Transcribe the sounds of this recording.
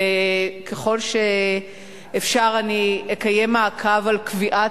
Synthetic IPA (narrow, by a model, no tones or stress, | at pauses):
kʰeχo̞lʃeː | fʃaʁaniekajemaːkʰavalkviʔa